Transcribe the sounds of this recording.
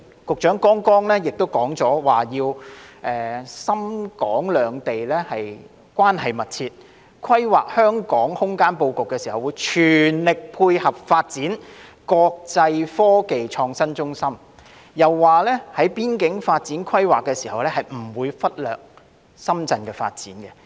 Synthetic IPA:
kʊ˨k̚t͡ʃœː˨˥ŋkɔː˥ŋkɔː˥ŋlɛː˥jɪ˨k̚t̪o˥wkɔː˨˥ŋt͡sɔː˨˥waː˨jiː˧wʔɛː˨sɐ˥mkɔː˨˥ŋlœː˨˧ŋt̪e˨jlɛː˥hɐ˨j | kʷwaː˥nhɐ˨jmɐ˨t̚t͡sʰiː˧t̚ | kʰɐ˥jwaː˨k̚hœː˥ŋkɔː˨˥ŋhʊ˥ŋkaː˥npo˧wkʊ˨kːɛ˧si˨˩hɐ˨˩wu˨˧jt͡ʃʰyː˨˩nlɪ˨k̚pʰuː˧jhɐ˨p̚faː˧t̚t͡siː˨˥n | kɔː˧k̚t͡sɐ˧jfɔː˥ke˨jt͡ʃʰɔː˧ŋsɐ˥nt͡sʊ˥ŋsɐ˥m | jɐ˨wːaː˨lɛː˥hɐ˨˥jpiː˥nkɪ˨˥ŋfaː˧t̚t͡siː˨˥nkʰɐ˥jwaː˨kːɛː˧si˨˩hɐ˨wlɛː˥hɐ˨jm̩˨˩wuː˨˧jfɐ˥t̚lœ̰ː˨k̚ | sɐ˥mt͡sɐ˧nkɛː˧fa̰ː˧t̚t͡siː˨˥nkɛ˧

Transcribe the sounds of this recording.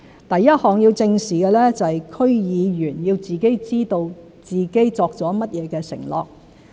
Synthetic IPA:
t̪ɐ˨jːɐ˥t̚hɔː˨ŋji˧wt͡sɪ˧ŋsiː˨˩kɛː˧lɛː˥t͡sɐ˨hjkʰɵ˥ɥjiː˨˧jyː˨˩njiː˧wt͡siː˨ke˥jt͡siː˥t̪o˧w | t͡siː˨ke˥jt͡sɔː˧k̚t͡sɔː˨˥mɐ˥t̚jɛː˨˧kɛː˧sɪ̰˨˩ŋlɔ̰ː˨k̚

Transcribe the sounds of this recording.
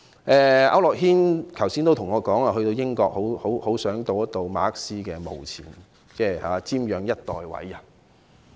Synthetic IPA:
ʔɛː˧ʔɐ̰˥wlɔː˨k̚ɦiː˥nkʰɐ˨˩wsiː˥nt̪o˥wtʰʊ˨˩ŋɔː˨˧kɔː˨˥ŋaː˧hɵ˧t̪o˧wjɪ˥ŋkɔː˧k̚ho˨˥who˨˥who˨˥wsœː˨˥ŋt̪o˧wɐ˥t̪o˧wma̰ː˨˥ɐ˥k̚siː˥kɛː˧mo̰˨˩wt͡sʰḭː˨˩n | t͡sɛː˥ha̰ː˨˦t͡siː˥mjœː˨˧ŋjɐ˥t̚t̪ɔː˨jwɐ̰˨˥ja˨

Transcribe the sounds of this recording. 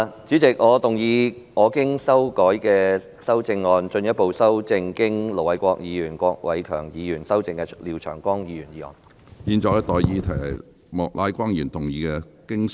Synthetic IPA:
t͡ʃyː˨˥t͡sɪ˨k̚ŋɔː˨˧t̪ʊ˨˩ŋjiː˨˧ | ŋʔɔː˨˧kɪ˥ŋsɐ˥wkɔː˨˥jkɛː˧ | sɐ˥wt͡sɪ˧ŋːɔː˧nt͡ʃɵ˧njɐ˥t̚po˨˧wsɐ˥wt͡sɪ˧ŋkɪ˥ŋlo˨˩wɐ˨˥jkʷɔː˧k̚jiː˨˧jyː˨˩nkʷɔː˧k̚wɐ̰˨˧jkʰœ̰ː˨˩ŋjiː˨˧jyː˨˩nsɐ˥wt͡sɪ˧ŋkɛ˧liː˨˩wt͡ʃʰœ̰ː˨˩ŋkʷɔː˥ŋjiː˨˧jyː˨˩njiː˨˧ŋɔ̰ː˨˧n | jiː˧nt͡ʃɔː˧jɐ˥t̪ɔː˨jjiː˨˧t̪ʰɐ˨˩jɐ˨˩j | mɔː˨k̚laː˨˧˥jkʷaː˥ŋjyː˨˩nt̪ʊ˨˩ŋjiː˨˧kɛ˧kɪ˥ŋ

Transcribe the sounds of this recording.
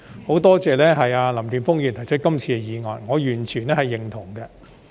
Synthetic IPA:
ho˨˥wt̪ɔː˥t͡sɛː˨˧lɛː˥ɦɐ˨jaː˧lɐ˨˩mt̪yː˨˩nfʊ˥ŋjyː˨nt̪ʰjt͡ʃʰɵ˥t̚kɐ˥mt͡sʰiː˧kɛ˧jiː˨˧ŋɔː˨nŋɔː˨˧jyː˨˩nt͡ʃʰyː˨˩nɛː˥hɐ˨jːɪ˨ŋt̪ʰʊ˨˩ŋɡɛ˧

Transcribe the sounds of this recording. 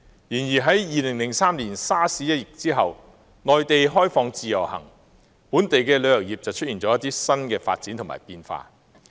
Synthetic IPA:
jiː˨˩njiː˨˩ɦɐ˨˥jjiː˨lɪ˨˩ŋlɪ˨˩ŋsaː˥mliː˨˩nsaː˥siː˨˥jɐ˥t̚jɪ˨˩k̚t͡siː˥ɦɐ˨w | nɔː˨jt̪e˨jɦɔː˥jfɔː˧ŋt͡siː˨jɐ˨˩whɐ̰˨˩ŋ | puː˨˥nt̪e˨jkɛː˧lɵ˨˧ɥjɐ˨˩wjiː˨p̚t͡sɐ˨wt͡ʃʰɵ˥t̚jiː˨˩nt͡sɔː˨˦jɐ˥t̪ːiː˥sɐ˥nkɛː˧fa̰ː˧t̚t͡siː˨˥nt̪ʰma̰ː˨˩jpiː˧nfa̰ː˧

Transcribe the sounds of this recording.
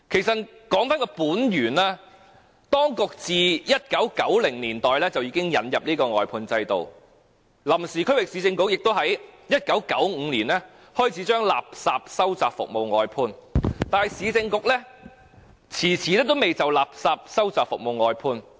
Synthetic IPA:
kʰe˨˩jsɐ˨t̚kɔː˨˥ŋfaː˥nkɔː˧puː˨˥njyː˨˩naː˥ | t̪ɔː˥ŋkʊ˨k̚t͡siː˨jɐ˥t̚kɐ˨˥wkɐ˨˥wlɪ˨˩ŋliː˨˩nt̪ɔː˨jlɛː˥t͡sɐ˨wjiː˧kɪ˥ŋjɐ˨˥njɐ˨p̚liː˥kɔː˧ŋɔː˨˩jpʰuː˧nt͡sɐ˧jt̪o̰˨w | lɐ˨˩msiː˨˩kʰwɪ˨k̚siː˨˥t͡sɪ˧ŋkʊ˧˥k̚jɪ˨k̚t̪o˥whɐ˨˥jjɐ˥t̚kɐ˨˥wkɐ˨˥wŋ̩ː˨˧liː˨˩nlɛː˥ | hɔː˥jt͡sʰi˨˥t͡ʃœː˥ŋla̰ː˨p̚saː˧p̚sɐ˥wt͡saː˨p̚fʊ̰˨k̚mo˨wŋɔː˨˧jpʰuː˧nt̪aː˨nhɐ˨˩jsiː˨˥t͡sɪ˧ŋkʊ˨k̚lɛ˥ | t͡sʰiː˨˩t͡sʰiː˨˥lɛː˥t̪o˥wme˨jt͡sɐ˨wlaː˨p̚saː˧p̚sɐ˥wt͡saː˨kfʊ̰˨k̚mo˨wɔː˨˧jpʰuː˧n

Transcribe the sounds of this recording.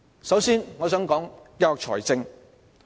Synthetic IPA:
sɐ˨˥wsiː˥nŋɔː˨˧sœː˨˥ŋkɔː˨˥ŋjɐ˥t̚ɔː˨k̚t͡ʃʰɔ̰ː˨˩jt͡sɪ˧ŋ

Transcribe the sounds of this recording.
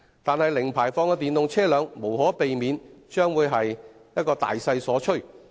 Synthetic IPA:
t̪aː˨nhɐ˨jlɪ˨˩ŋpʰaː˨˩jfɔː˧ŋkɛː˧t̪iː˨nt̪ʊ˨ŋt͡sʰɛː˥lœː˨˧ŋmo˨˩whɔː˨˥pe˨jmiː˨˧nt͡ʃœː˥ŋwuː˨˧jɦɐ˨j | jɐ˥t̚kɔː˧t̪a̰ː˨jsɐ˧jsɔː˨˥t͡ʃʰɵ˥˩

